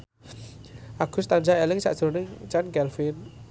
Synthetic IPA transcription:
ʔaɡ̥ʊ̤st̪and͡ʒaɛlɪŋsa̰ʔd͡ʒ̥ɾonɪŋt͡ʃanɡɛlfin

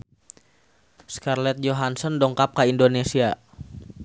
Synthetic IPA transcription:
skarlɛt̪̚d͡ʒoɦansɔndɔŋkap̚kaindonesia

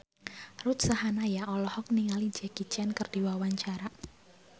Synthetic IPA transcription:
rut̪̚sahanajaʔɔlɔhɔk̚niŋali̥d͡ʒɛɡ̥it͡ʃɛnkərd̥iwawaɲt͡ʃaɾa

